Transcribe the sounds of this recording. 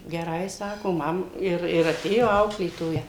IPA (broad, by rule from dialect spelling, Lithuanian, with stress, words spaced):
ɡʲɛˈrɐɪ ˈsɑːkoː ˈmɐm ˈɪr ɪr ɐˈtʲeːjoː ˈɐʊklʲeːtoːjɛ